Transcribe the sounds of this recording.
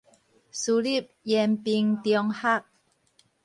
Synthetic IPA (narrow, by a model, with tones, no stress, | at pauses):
su˧li˥˩˨p̚jɛ˧mpi˧ŋt̪jɔ˧ŋha˥˩k̚